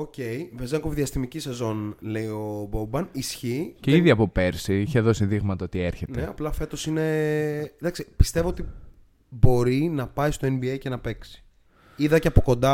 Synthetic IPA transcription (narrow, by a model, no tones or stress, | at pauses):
oce̞jvezeŋkovðiɐst̪imicisezo̞nle̞io̞bobɐnisçiceiðiɐpo̞pe̞ɾsiiçeðo̞siðiɣmɐt̪ɐot̪ieɾçetneeɐplɐfe̞t̪o̞sine̞ | ðɐksipi̥st̪e̞voot̪i | bo̞ɾinɐpɐist̪o̞e̞nbiejce̞nɐpe̞ksi̥ | iðɐceɐpo̞ko̞nd̪ɐ